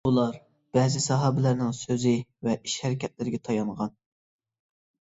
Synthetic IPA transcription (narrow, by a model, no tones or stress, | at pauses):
ulˠɑɾ | b̥ɛːzɪsɑɦɑːbɪlæɾnɪŋsøzɪvɛʔiʃhæɾɪkʲɛt̪̚lɪɾɪɡʲɛt̪ʰɑjɑɴʁɑn